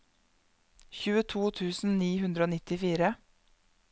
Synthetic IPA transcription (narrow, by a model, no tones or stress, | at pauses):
çʉːət̪ʰuːt̪ʰʉːsn̩niːhʉnd̪ɾoːnɪt̪ɪfiːɾə